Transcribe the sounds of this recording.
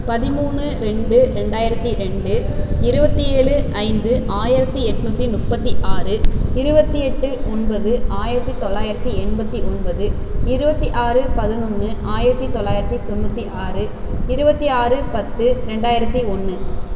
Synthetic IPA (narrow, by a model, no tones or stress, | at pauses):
pɐðɪmuːɳɯɾɛɳɖɯɾɛɳɖaːjɪɾɐt̪ːiɾɛɳɖɯɪɾɯbɐt̪ːieːɭɯʔɐɪnd̪ɯʔaːjɪɾɐt̪ːiɛʈːɯnut̪ːinʊʈ̚pɐt̪ːiʔaːrɯɪɾɯbɐt̪ːiɛʈːɯɔnbɐðɯaːjɪɾɐt̪ːit̪ɔlːaːjɪɾɐt̪ːiɛɳbɐt̪ːiɔnbɐðɯ | ɪɾɯbɐt̪ːiʔaːrɯpɐðɯnʊnːɯʔaːjɪɾɐt̪ːit̪ːɔɭːaːjɪɾɐt̪ːit̪ɔnːut̪ːiʔaːrɯ | ɪɾɯbɐt̪ːiaːrɯpɐt̪ːɯɾɛɳɖaːjɪɾɐt̪ːiɔnːɯ